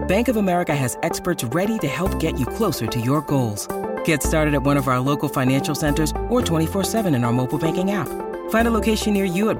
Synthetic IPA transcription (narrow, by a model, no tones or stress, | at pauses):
b̥æ̃ŋkʌvəmɛɹɨkɨɨzɛkspə˞tsɹɛɾiɾɨhɛlˠp̚ɡ̥ɛt͡ʃɨkʰl̥oʊsə˞ɾɨjə˞ɡoʊlˠz̥ɡ̥ɛtstɑɹɾɨɾɨt̚wʌ̃ɾ̃ʌvaʊə˞loʊkl̩ˠfãɪ̃næ̃nʃl̩ˠsɛ̃ntə˞zə˞tʰw̥ɛ̃ɾ̃ifɔɹsɛvɨ̃ñɨ̃naə˞moʊpl̩ˠbæ̃ŋkɪ̃ŋæp | fãɪ̃ndəloʊkʰeɪʃɨ̃nːɪɹjɨɨt̚